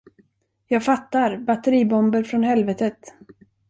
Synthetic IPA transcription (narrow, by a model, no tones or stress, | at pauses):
jɑːɡfat̪ːaɾbat̪əɾiːbɔmbəɾfɾɔnhɛlvɛːt̪ət̪